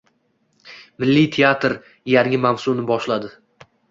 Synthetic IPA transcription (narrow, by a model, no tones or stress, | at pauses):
mɪlːijt̪ʰeat̪ɾ | jaŋŋɪmamsunɪbɒʃlad̪ɪ